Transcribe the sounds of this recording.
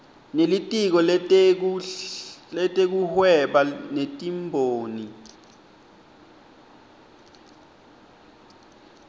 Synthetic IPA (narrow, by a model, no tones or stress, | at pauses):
nelitʼik̬ɔl | ɛtʼek̬uhwɛɓanetʼimbʱoːni